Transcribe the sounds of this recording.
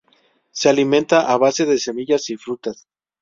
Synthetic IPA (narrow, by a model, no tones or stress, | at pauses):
sealimẽ̞nt̪aʔaβase̞ðe̞se̞miʝasifɾut̪as